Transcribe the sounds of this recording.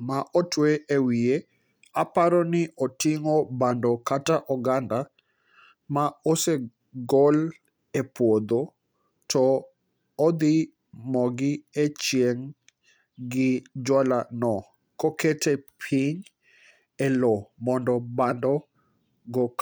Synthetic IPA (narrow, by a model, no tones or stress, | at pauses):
maʔɔtweʔewie | apaɾɔnɪʔɔtɪŋɔbandɔkataʔɔɡanda | maose | ɡɔl | epwod̪o | tʰɔː | d̪ɪ | mɔɡɪet͡ʃjeŋ | ɡɪd͡ʒwalanɔ | kɔketepʰiɲ | ɛlɔmɔndɔbandɔ | ɡɔk